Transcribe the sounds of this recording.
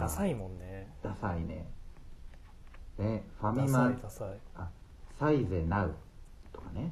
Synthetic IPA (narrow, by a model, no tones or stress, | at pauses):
asaimõnːed̪̥asainḛ | neɸamʲima | a | saizenaɯ̟ | t̪o̞̥kane